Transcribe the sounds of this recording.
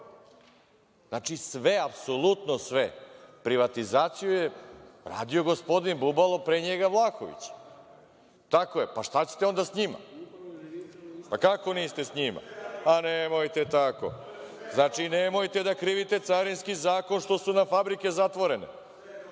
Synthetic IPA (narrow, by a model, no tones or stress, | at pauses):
znat͡ʃisʋeapsolˠut̪nosʋepɾiʋat̪izaːt̪sijujeɾa̰ːd̪ijo̞ɡo̞spo̞d̪inbubalˠo̞pɾeɲeɡaʋlˠaːkoʋḭt͡ɕ | t̪akoepaʂt̪at͡ɕe̥t̪eond̪asɲima̰ | pakako̞niːst̪e̞sɲima̰anemojt̪e̞t̪ako̞̰znaːt͡ʃinemojt̪e̞d̪akɾiːʋit̪e̞t̪saɾinskizaːko̞nʃt̪o̞ʃsunafabɾike̞zat̪ʋo̞ɾe̞nḛ